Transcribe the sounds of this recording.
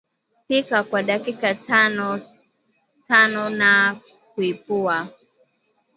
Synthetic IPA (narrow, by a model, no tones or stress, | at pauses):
pikakwaɗakikatnɔ | tanɔna | k̚uipua